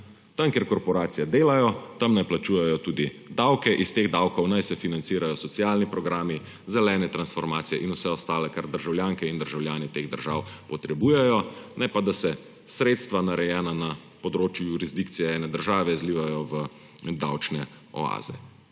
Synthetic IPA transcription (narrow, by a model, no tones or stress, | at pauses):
t̪amkeːɾkɔɾpɔɾaːt̪sijad̪eːlajɔt̪amnajplat͡ʃuːjɛjɔt̪uːd̪i | d̪awkɛʔist̪eːɣd̪awkɔwnajsɛfinant̪siːɾajɔsɔt̪sijaːlnipɾɔɡɾaːmi | zɛlɛːnɛt̪ɾansfɔɾmaːt̪sijɛ̰ʔinusɛɔst̪aːlɛkaɾd̪əɾʒawljaːŋkɛind̪əɾʒawljaːnɛt̪eːɣd̪əɾʒaːwpɔt̪ɾɛbuːjɛjɔnʔɛpad̪asɛ | sɾeːt̪st̪ʋanaɾɛjɛːnana | pɔd̪ɾoːt͡ʃjujuɾizd̪ikt̪sijɛɛːnɛd̪əɾʒaːʋɛzliːʋajɔʋə | d̪a̰wt͡ʃnɛ | ɔ̰a̰ːzɛ̰